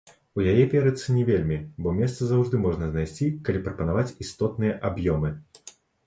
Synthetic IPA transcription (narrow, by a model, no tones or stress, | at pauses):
ujajɛpʲɛɾɐt̪sːɨnʲɛvʲelʲmʲibɔmʲɛst̪sɐzawʐd̪ɨmɔʐnɐzn̪ajsʲt͡sʲikɐlʲipɾɐpɐnavat͡sʲist̪ɔt̪̚nɨjɐʔabjɔmɨ